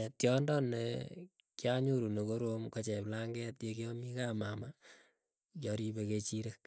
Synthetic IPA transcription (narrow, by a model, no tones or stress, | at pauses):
tjɔndɔne | kjaɲuɾunekoɾomkot͡ʃɛplaŋɡɛtjekiɔmikamama | jɔɾibeket͡ʃiɾek̚